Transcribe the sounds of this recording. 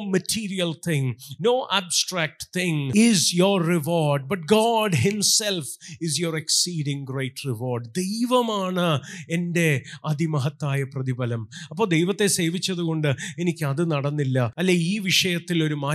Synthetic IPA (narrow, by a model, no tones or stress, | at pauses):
mɐtʰiːɾijɐlt̪ʰɪ̃ŋnoːʔaːbsʈraːk̚ʈt̪ɪ̃ŋizjorːiʋoːɾɖ̚bɐʈ̚ɡɔːɖɦɪmselfɪzjoːɾeksiːɖĩŋɡrejʈriʋoːrɖd̪e̞jʋɐmaːɳɨe̞nde̞ɐd̪ʱimɐɦɐt̪ːaːjɐprɐðibɐlɐmɐpːoːd̪ejʋɐt̪ːe̞se̞ːʋit͡ɕːɐðuɣo̞ɳɖɨe̞nikʲːɨɐðɨnɐɽɐnːilːɐɐlːeiːʋiʂɐjɐt̪ːilo̞ɾumaː